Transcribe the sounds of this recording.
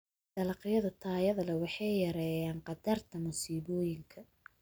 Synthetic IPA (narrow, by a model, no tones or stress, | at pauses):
d̪̥ɐlɑqɪjɐðɐt̪ʰaːjɐðɐlɐwɑħɑjjɐɾɛjaːnqɑd̪ɐrt̪ʰɐmʊsiːβɔːjɪŋkʰɐ